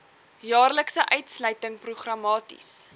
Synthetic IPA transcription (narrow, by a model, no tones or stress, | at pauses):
jɑːrləksəʔœɥtsləɥtəŋpruχrɐmɑːtḭs